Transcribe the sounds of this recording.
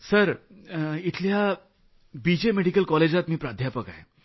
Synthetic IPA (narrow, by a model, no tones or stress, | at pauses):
səɾ | it̪ʰlja | bid͡ʑemeɽikəlkɔled͡ʑat̪miːpɾad̪ʱjapəka̰ɦe